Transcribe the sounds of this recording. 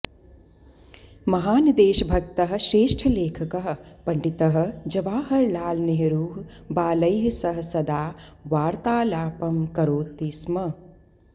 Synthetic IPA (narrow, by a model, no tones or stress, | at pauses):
mɐɦaːnid̪eːʃɐbʱɐk̚t̪ɐɦɐ̆ʃɾeːʂʈʰɐleːkʰɐkɐɦɐ̆pɐɳɖit̪ɐɦɐ̆d͡ʒɐʋaːɦɐɾlaːlneɦɐɾuːɦbaːlɐjɦɐsɐɦɐsɐd̪aːʋaːɾt̪aːlaːpɐmkɐɾoːt̪ismɐ